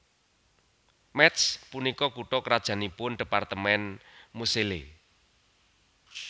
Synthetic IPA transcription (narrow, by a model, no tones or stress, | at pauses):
mɛt̪spunikɔkuʈɔkəɾad̥ʒ̥a̤nipʊnɖ̥i̤part̪əmɛnmuselḛ